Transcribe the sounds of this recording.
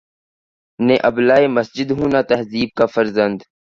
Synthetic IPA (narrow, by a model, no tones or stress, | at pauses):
nẽːʔəblaːeːməsd͡ʒɪd̪ɦũːnaːt̪ɐɦziːb̚kaːfəɾzənd̪